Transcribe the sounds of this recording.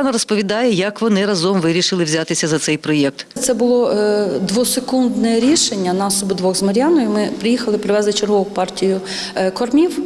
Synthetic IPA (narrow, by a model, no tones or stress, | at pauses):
nɐɾɔspɔʋʲid̪ɑjɛjɐkʋɔnɪɾɐzɔmʋɪɾʲiʃɪlˠɪwzʲat̪ɪsʲɐzɐt̪sɛjpɾɔjɛk̚t̪t̪sɛbʊlˠɔd̪ʋɔsekund̪nɛɾʲiʃenʲːɐnɑsɔbʊd̪ʋɔɣzmɐɾʲjɑnɔjʊmɪpɾɪjixɐlˠɪpɾɪʋɛzˠɪt͡ʃerɦɔʊpɑrtʲijʊ | kɔrmʲiw